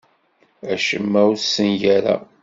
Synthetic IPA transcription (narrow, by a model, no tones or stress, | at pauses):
æʃəmːæwusənjæɾæ̰